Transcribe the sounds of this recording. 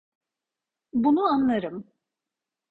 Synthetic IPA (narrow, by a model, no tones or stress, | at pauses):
bunuanlˠaɾɯm